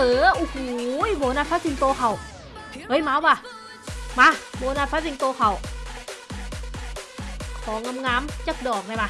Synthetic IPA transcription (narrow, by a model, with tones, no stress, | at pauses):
əː˨˦ʔu˧huː˨jboː˧˦naː˧fʰa˦˥si˧˦ŋt̪oː˧xʰa˨˩w | ʔɤː˨˧˦jmaː˧˦waː˧˩ | maː˧boː˧˦naː˧˩fa˦˥si˧ŋt̪oː˧xʰa˨˩w | kʰɔː˨˦ŋa˧mŋaː˨˦˥mt͡ɕa˦˥k̚dɔː˨˩k̚na˧jbaː˧